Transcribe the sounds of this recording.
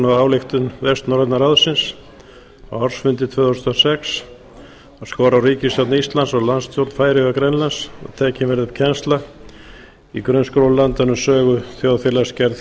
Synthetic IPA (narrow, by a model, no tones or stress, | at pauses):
naðaːwlɪxt̪ʏnvɛst̪nɔɾɛt̪naɾaðsɪns | awaɾ̥sfʏnt̪ɪt̪ʰvœːðhawst̪ɔsɛks | askɔːɾawriːcɪst̪awt̪nist̪lansɔlanst̪ʰjowt̪n̥faːjɾɪakɾɛnlansa̰ðt̪ʰɛːcɪnvɛɾðʏpcʰɛnst̪la | ikɾœɥnskɾolant̪anʏmsœːɣʏθjowðfɛlascɛɾð